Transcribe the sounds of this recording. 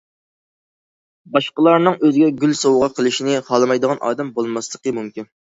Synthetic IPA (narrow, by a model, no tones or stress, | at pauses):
bɑʃqəlˠɑɾnɨŋøzɪɡʲɛɡʲylsowʁɑqʰəlˠɪʃinɪχɑlˠmɑjd̪əʁɑnʔɑ̰ːd̪ɛmbolˠmɑslˠəqəmumkʲin